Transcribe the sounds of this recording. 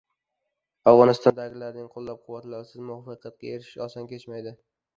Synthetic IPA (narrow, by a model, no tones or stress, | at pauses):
avʁɒnɪst̪ɒnd̪aɡʲɪlaɾnɪŋqʰolˠːap̚qʰʊwːat̪laɾsɪzmʊɒfɑqʰjat̪̚kʲaeɾɪʃɪ̥ɒsankʲe̞t͡ʃmajd̪ɪ